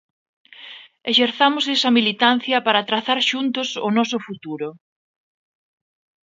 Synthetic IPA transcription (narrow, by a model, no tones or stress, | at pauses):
eʃeɾθamʊsesɐmilit̪an̟θjɐpaɾat̪ɾaθaɾʃunt̪ʊsʊnɔsʊfut̪uɾʊ